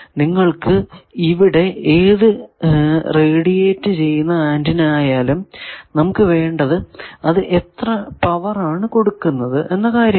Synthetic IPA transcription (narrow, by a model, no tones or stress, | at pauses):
niŋːɐɭkɨiʋiɽe̞eːðɨ | reːɽijeːtːɨt͡ɕe̞jːunːɐaːndinaːjaːlumnɐmukːɨʋe̞ːɳɖɐðɨɐðɨʔe̞t̪rɐpɐʋɐraːɳɨko̞ɽukːunːɐðɨʔe̞nːɐkaːɾjɐ